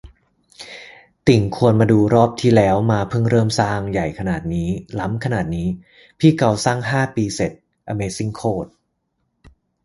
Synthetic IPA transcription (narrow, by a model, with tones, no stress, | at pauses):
t̪i˨˩ŋkʰu˧ənmaː˧duː˧ɾɔː˥˩p̚t̪ʰiː˥˩lɛː˦˥wmaː˧pʰɯ˥˩ŋɾɤː˥˩msaː˥˩ŋja˨˩jkʰa˧naː˨˩t̪̚niː˦˥la˦˥mkʰa˧naː˨˩t̪̚niː˦˥ | pʰiː˥˩ka˧wsaː˥˩ŋɦaː˥˩piː˧se˨˩t̪̚ | ʔa˧meː˧si˦˥˩ŋkʰoː˥˩t̪̚